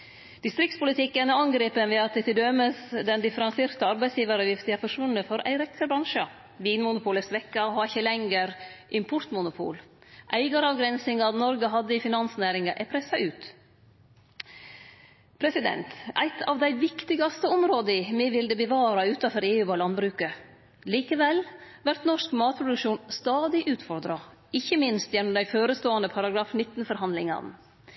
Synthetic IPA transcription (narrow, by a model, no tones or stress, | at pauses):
d̪̥ɪst̪ɾɪkt̪spʊlɪt̪ʰɪkːənɑŋɡɾeːpənʋɛɑt̪̚d̪ɛt̪ɪld̪œməsd̪ɛnd̪ɪfəɾɑnseːɾt̪əɑɾbæɪsjiːʋəɾəjɪft̪ɪæɾfɔʂʋʉnːəfɔɾʔæ̰ɪɾɛk̪ʰːəɾbɾɑŋʂə | ʋiːnmʊnʊpʰʊːləsʋɛkːɑhɑɾɪçːəlɛŋɡəɾʔɪmpʰʊɾt̪mʊnʊpʰṵːlʔæɪɡɑɾɑʋɡɾɛnsɪŋɑt̪nɔɾɡəɦɑd̪ːəɪfɪnɑnsnæːɾɪŋɑʔæ̰ɪpʰɾɛsːɑʔʉːt̪ | pʰɾɛsɪd̪ɛ̰nt̪ʔæ̰ɪt̪ʰɑ̰ʋd̪æɪʋɪkt̪ɪɡɑst̪əɔmɾoːd̪əɪmɛʋɪld̪əbəʋɑːɾɑʉːt̪ɑfɔɾeːʉːɑːlɑnbɾʉːkə | liːkəʋɛl | ʋæɾt̪nɔʂkmɑːt̪̚pʰɾʊd̪ʉkʃuːnst̪ɑːd̪ɪʔʉːt̪fɔɾd̪ɾɑ | ɪçːəmɪnst̪jɛnɔmd̪æɪføːɾəst̪oːɑnəpʰɑɾɑɡɾɑːfnɪt̪ːn̩fɔɾɦɑnd̪lɪŋɑ̰n